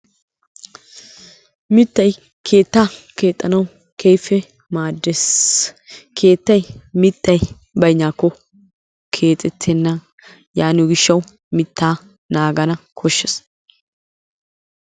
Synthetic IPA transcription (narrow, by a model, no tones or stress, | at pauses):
mɪt̪ːɐj | kʰe̞ːt̪ːaː | ke̞ːt̪ʼːɐnɐw | kʰejfɛ | maːd̪ːes | kʰeːt̪ːɐjmɪt̪ːɐj | bɐjɲaːkːɔ | kʰe̞ːt̪ʼɛt̪ʰːɛnːɐ | jaːnuɡɪʃːɐw | mɪt̪ːaː | naːɡɐnɐkʰɔʃːɛs